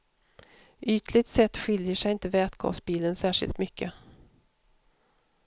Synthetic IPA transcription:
ʔyːt̪lɪt̪sɛt̪ːɧɪljəʂɛjɪnt̪əvɛːt̪ɡʰɑ̰ːsbiːlənsæːʂɪ̰lt̪mʏkʰːə

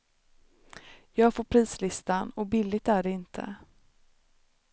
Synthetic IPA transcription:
jɑːɡfoːpʰɾiːslɪst̪anɔbɪlːɪɡ̚t̪æɖɛɪnt̪ʰə̰

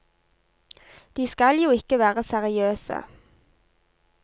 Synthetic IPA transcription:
d̪̥iːskɑljuːɪkəʋæːʁəsæʁɪøːsə̰

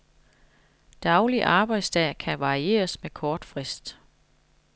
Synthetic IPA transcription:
d̥ɑ̈ʊliʔɑ̈ːb̥ɑ̈ɪd̥sd̥ɛ̰kʰæʋɑ̈ʁie̝̰ːɐsmekʰɒːd̥fʁɛsd̥

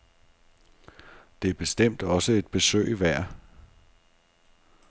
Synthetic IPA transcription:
d̥e̝æɐb̥e̝sd̥em̰d̥ɒ̽səe̝d̥b̥e̝sø̰ːɪʋæɐ̰

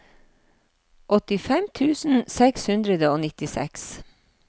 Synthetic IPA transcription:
ʔɔt̪ɪfɛmt̪ʰʉːsn̩sɛkshʉnd̪ɾəd̪əoːnɪt̪ɪsɛ̰ks

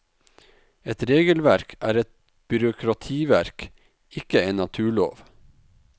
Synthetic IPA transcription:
ɛt̪ɾeːɡəlʋæɾkʰæːɾɛt̪̚ | b̥ʏɾʊkʰɾɑt̪ʰiːʋæɾk | ɪkəeːnɑt̪ʰʉːɭo̰ːʋ

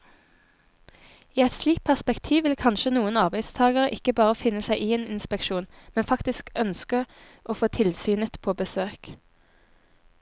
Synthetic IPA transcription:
iːɛt̪sliːkt̪̚pʰæʁspɛkt̪ʰiːʋɪlkʰɑnʃənuːənɑʁbæɪd̪st̪ʰɑːɡəʁəʔɪkəbɑːʁəfɪnəsæɪʔiːeːnɪnspɛkʃuːn | mɛnfɑkt̪ɪskœnskə | ʔoːfoːt̪ʰɪlsyːnət̪pʰoːbəsøːk

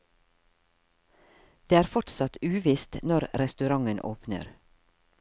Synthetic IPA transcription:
d̪̥eːæːɾfɔʈsɑt̪ʉːʋɪst̪nɔɾɾɛst̪ʉɾɑŋənʔo̰ːpnə̰ɾ

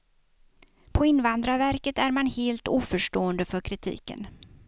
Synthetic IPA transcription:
pʰɔɪnvand̪ɾavæɾkət̪æɾmanheːlt̪uːfœʂʈoːənd̪əfœɾkʰɾɪt̪ʰḭːkə̰n

